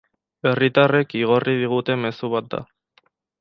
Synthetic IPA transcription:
e̞rit̪are̞kiɣ̞o̞rið̞iɣ̞ut̪e̞me̞suβ̞at̪̚d̪a̰

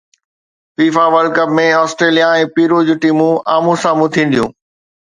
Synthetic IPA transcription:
fiːfaʋəlkəpmẽɔːsʈɾeːlijaɛ̃ːpiːɾod͡ʑuʈiːmũaːmũsãːmũt̪ʰĩːn̆d̪ijũː

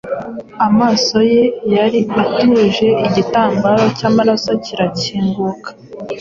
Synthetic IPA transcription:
amaːso̞je̞jaɾiatuʒe̞ʔiɟitaːmɡaɾo̞caːmaɾaso̞ciɾaciːŋɡukḁ

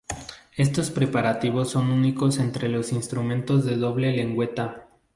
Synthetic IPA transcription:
e̞st̪o̞spɾe̞paɾat̪iβ̞o̞sːo̞nuniko̞se̞nt̪ɾe̞lo̞sinst̪ɾumẽ̞nt̪o̞zðe̞ðo̞βle̞le̞ŋɡwe̞t̪a

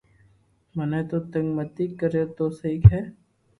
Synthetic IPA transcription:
mɐnet̪ot̪ə̃ŋɡmət̪ikːəɾet̪osɐikɦɛː

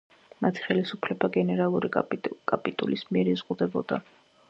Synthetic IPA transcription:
mat̪ʰi̥χɛlisupʰlɛbaɡɛnɛɾalˠuɾikʼapʼit̪ʼṵlismiɛɾizʁud̪ɛbɔd̪̥a̰

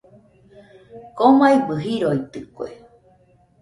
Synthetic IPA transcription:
komaibɨɦiɾoit̪ɨkoḛ

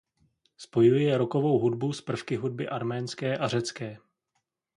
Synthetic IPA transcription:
spo̞jujɛjɛɾo̞ko̞vo̞wɦudbuspr̩fkɪɦud̚bɪʔaɾmɛːnskɛːʔar̝ɛt͡skɛː

